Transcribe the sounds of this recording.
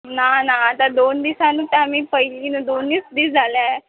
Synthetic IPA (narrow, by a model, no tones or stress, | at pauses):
nanaːt̪ad̪ond̪isãnuːt̪aamiːpəɦiliind̪onːiːsd̪iːsd͡zʱalae